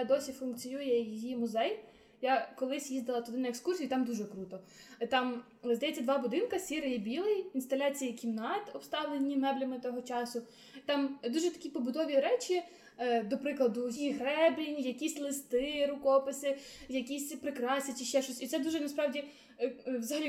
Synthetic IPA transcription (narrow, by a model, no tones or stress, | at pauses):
d̪ɔsʲifʊnk̚t͡sʲijujɛjijimʊzɛj | jakɔlˠɪsʲjizd̪ɐlˠɐt̪ʊd̪ɪnɐekskursʲijʊt̪ɑmd̪uʒɛkɾut̪ɔt̪ɑm | zd̪ɐjɛt͡sʲːɐd̪ʋɑbʊd̪ɪnkɐsʲiɾɪjibʲilˠɪjinst̪ɐlʲɑt͡sʲijikʲimnɑt̪ɔpst̪ɑʋlˠenʲːimɛblʲɐmɪt̪ɔɦɔt͡ʃɑsʊ | t̪ɑmd̪uʒɛt̪ɐ̥kʲipɔbʊd̪ɔʋʲiɾɛt͡ʃʲi | d̪ɔpɾɪklˠɐd̪ʊjiɦɾɛblʲinʲjɐkʲisʲlˠɪst̪ɪɾʊkɔpɪsɪjɐkʲisʲpɾɪkɾɑsʲɐt͡ʃʲiʃt͡ʃɛʃɔsʲit̪sɛd̪uʒɛnɐspɾɑʋdʲi | ʋzɐɦɐlʲi